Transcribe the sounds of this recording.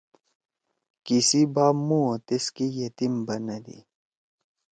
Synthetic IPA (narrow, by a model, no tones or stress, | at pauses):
kisibaːmũot̪eskijɐt̪imbɐnɐd̪ḭ